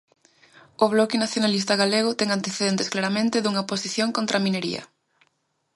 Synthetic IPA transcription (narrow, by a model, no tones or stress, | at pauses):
ʊβlɔkɪnaθjonalist̪ɐɣaleɣ̞ʊt̪ɛŋant̪eθeðent̪esklaɾɐmẽnt̪ɪðuŋɐposiθjoŋkont̪ɾamineɾḭɐ̰